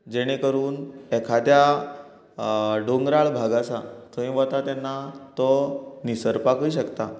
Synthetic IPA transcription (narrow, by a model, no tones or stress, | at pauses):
d͡ʑeɽ̃ekəɾuːnɛkʰad̪ja | ɖoŋɡɾaɭbʱaɡasat̪ʰoĩʋət̪at̪anːat̪ɔnisəɾpakujɕəkt̪a